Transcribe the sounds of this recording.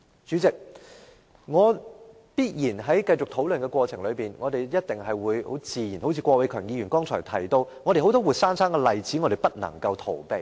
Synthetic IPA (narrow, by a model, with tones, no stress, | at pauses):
t͡ʃy˨˥t͡sɪ˨k̚ | ŋɔː˨˧ | piː˥t̚jiː˨˩nɦɐ˨˥jkɐ˧jt͡sʊ˨k̚t̪ʰo˨˥wlɵ˨nkɛ˧kwɔː˧t͡sʰɪ˨˩ŋlɵ˨˧piː˨˩nŋʔɔː˨˧t̪e˨jjɐ˥t̚t̪ɪ˨˩ŋɦɐ˨jwuː˨˧jho̰˨˥wt͡siː˨jiː˨˩nho˨˥wt͡sʰiː˧kʷwɔː˧wɐ˨˥jkʰœː˨˩ŋjiː˧ɥyː˨˩nkɔː˥ŋt͡sʰɔː˨˩t̪ʰɐ˨˩jt̪o˧wŋɔː˨˧ɾe˨jɦo˨˥wt̪ɔː˥wuː˨˩t̚saː˥nsaː˥ŋkɛ˧lɐ˨jt͡siː˨˥ŋɔ˨˧ɾe˨jpɐ˥t̚nɐ̰˨˩ŋkɐ˧wt̪ʰo˨˩wpe˨˧j